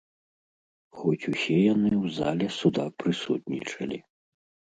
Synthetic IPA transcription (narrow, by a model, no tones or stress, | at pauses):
xɔt͡sʲusʲɛjanɨwza̰lʲɛsud̪apɾɨsṵt̪nʲḭt͡ʂɐlʲi